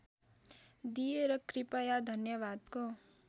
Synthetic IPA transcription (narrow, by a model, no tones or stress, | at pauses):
d̪ijeɾʌkripajad̪ʱʌnjʌbad̪ko